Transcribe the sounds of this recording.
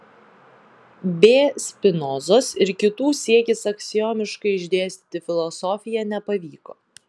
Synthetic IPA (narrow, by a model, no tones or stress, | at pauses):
bʲeːsʲpʲɪnɔːzoːsɪɾkʲɪt̪uːsʲiɛkʲɪsɐksʲɪjoːmʲɪʃkɐɪɪʒʲd̪ʲeːsʲt̪ʲi̥ːt̪ʲɪfʲɪlˠɔsɔːfʲɪjɛnʲɛpɐʋʲiːkoː